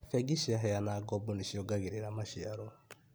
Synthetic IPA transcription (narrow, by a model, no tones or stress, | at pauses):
fɛɡiʃiaɦɛjanaɡɔbuniʃiɔɡaɡiɾeɾamaʃiaɾɔ